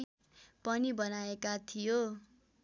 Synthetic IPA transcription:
pʌnibʌnaekat̪ʰijo

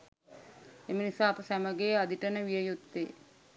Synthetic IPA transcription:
emənisaːpəsæməɡejad̪iʈənəʋijəjut̪ːe

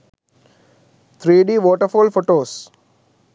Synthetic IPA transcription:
t̪ʰɾiːɖiːʋɔːʈəɾfoːlfoːʈoːs

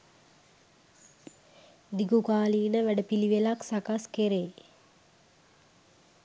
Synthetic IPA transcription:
d̪iɡukaːliːnəʋæɖəpiliʋelaksakaskeɾeː

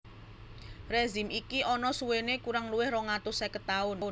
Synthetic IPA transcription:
rezi̤mikiʔɔnɔsuwenekuɾaŋluwɪhrɔŋat̪ʊsɛkət̪aʊn

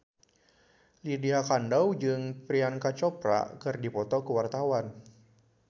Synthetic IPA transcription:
lidiakandawd͡ʒɨŋpɾiankat͡ʃɔpɾa̰kɨrdipɔt̪ɔkəwart̪awan

